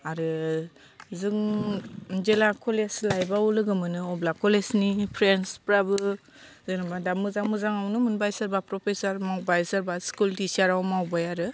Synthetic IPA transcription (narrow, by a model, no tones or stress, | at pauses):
aɾɯ | zɯŋ | d͡ʒelakʰɔleslajbaulɯɡɯmɯnɯɔblakʰɔlesnipʰɾenspɾabɯ | zɯŋnabadamɯzamɯzaŋawnɯmɯnbajsaɾbapɾɔpʰesaɾmawbajsaɾbaskultisaɾawmawbajaɾɯ